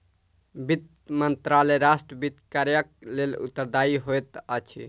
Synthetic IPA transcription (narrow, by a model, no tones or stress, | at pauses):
bit̪̚ | mənt̪ɾaleɾasʈɾəbit̪kaɾjək̚lelṵt̪ːəɾd̪aiɦojt̪ət͡ʃʰḭ